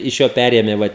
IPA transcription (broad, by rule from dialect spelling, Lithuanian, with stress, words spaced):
ɪʃ ˈjoː ˈpʲærʲeːmʲeː ˈʋɐ